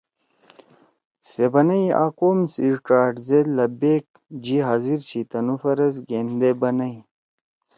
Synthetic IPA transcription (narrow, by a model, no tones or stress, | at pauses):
sebɐnɐja̰ːkoːmsiʈaːʈzelɐbek̚ | d͡ʑiɦaziɾt͡ɕʰit̪ɐnufɐɾɐzɡend̪ebɐnɐj